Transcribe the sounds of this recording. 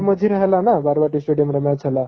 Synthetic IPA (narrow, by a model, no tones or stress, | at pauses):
məd͡zʱiɾəɦelanabaɾbaʈisʈeɽijəmɾəmjat͡sʰəla